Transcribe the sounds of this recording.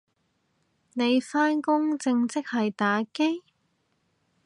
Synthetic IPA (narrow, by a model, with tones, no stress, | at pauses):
ne˨˧jfaː˥nkʊ˥ŋt͡sɪ˧ŋt͡sɪ˥k̚hɐ˨jt̪aː˨˥ke˥j